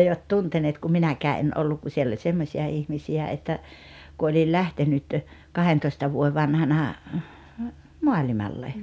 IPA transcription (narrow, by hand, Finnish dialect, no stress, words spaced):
eiʋæt tunteneːt kum minækæː en olːuk ku sielː olʲ semːosʲiɑ ihmisiæ etːæ ku olʲil lʲæhtenyt kɑhentoistɑ ʋuoe ʋɑnhɑnɑ moɑlʲimɑlːe